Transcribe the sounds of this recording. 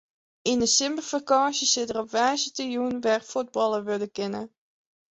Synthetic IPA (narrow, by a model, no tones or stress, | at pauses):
ɪnəsɪmpəlfəkɑ̃ːsjəsɪdərɔpʋɛjzətəjunʋɛrfud̚bɑlˠəʋødəkɪnə